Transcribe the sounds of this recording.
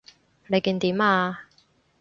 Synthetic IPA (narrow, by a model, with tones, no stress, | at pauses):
ne˨˧jkiː˧nt̪iː˨˥maː˧